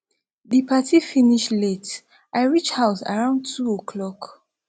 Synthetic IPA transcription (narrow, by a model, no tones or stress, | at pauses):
dipʰatʰifiniʃlet | ʔaɪɹit͡ʃhaʊsa̰ɹãʊ̃ndtʰuokʰlɔk